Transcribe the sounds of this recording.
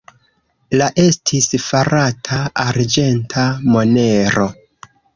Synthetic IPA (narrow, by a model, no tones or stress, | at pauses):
laʔe̞stʰisfaɾatʰaaɾd͡ʒe̞ntʰamo̞ne̞ɾo̞